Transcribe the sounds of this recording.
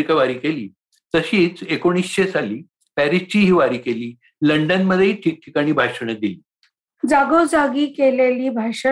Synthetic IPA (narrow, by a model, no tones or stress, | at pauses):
ikaʋaɾiːkeliː | t̪əɕiːt͡sekoɽ̃iːsɕet͡saliː | pæɾist͡ɕiːɦiːʋaɾiːkeliː | ləɳɖənməd̪ʱːjeiʈʰiːk̚ʈʰikaɽ̃iːbʱaɕəɳ̃ət̪̚d̪iliː | d͡zaɡod͡zaɡiːkeleliːbʱaɕə